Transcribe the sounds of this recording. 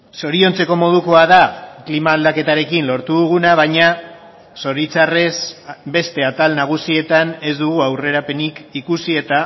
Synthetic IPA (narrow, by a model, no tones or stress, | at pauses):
so̞ɾio̞nt͡se̞ko̞mo̞ð̞uko̞aðaklimaːld̪ake̞t̪aɾe̞kinlo̞ɾt̪uðuɣ̞unaβ̞aɲa | so̞ɾit͡sare̞sbe̞st̪e̞at̪alnaɣ̞usie̞t̪ane̞zd̪uɣuawre̞ɾape̞nikikusie̞t̪a